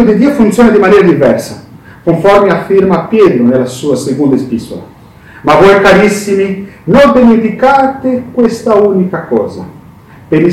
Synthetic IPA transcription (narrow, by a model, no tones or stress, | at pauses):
od̪id̪ːiːofunt̪sjɔːnad̪imanɛːɾad̪ivɛrsa | koɱfɔrmeafːiɾmapːjɛːt̪ɾʊnelːasuːasekond̪espiso̰la̰ | mavːɔjkaɾisːiminobenifikat̪ɪkwest̪aunikakɔ̰ːza̰ | peɾi